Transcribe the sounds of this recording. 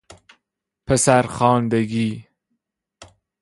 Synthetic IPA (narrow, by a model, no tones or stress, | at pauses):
pʰəsaɾχɑːnd̪ɐɡiː